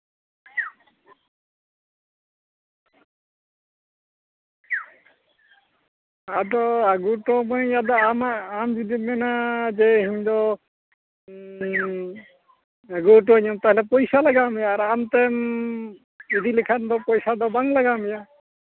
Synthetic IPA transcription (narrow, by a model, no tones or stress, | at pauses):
ad̪ɔaɡuʈɔmɔjad̪ɔamaamd͡ʒid̪imɛnad͡ʒɛhiɲd̪ɔ | aɡuʈ̬ɔɲɔmt̪aɦɛlɛpɔjsalaɡamɛjaːɾamt̪ɛm | id̪ilɛkʰand̪ɔpɔjsad̪ɔbaŋlaɡamɛja